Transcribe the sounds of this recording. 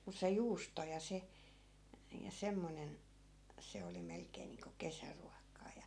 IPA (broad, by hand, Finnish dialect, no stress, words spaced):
mus se juːsto jɑ se jɑ semːonen se oli melkeːn̆ niːŋko kesæruɑkˑɑː jɑ